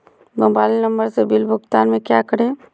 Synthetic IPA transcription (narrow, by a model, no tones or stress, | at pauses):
bɐ̃mbaːlinɐ̃mbəɾsebɪlbʱʊɡt̪aːnmẽkjakəɽẽː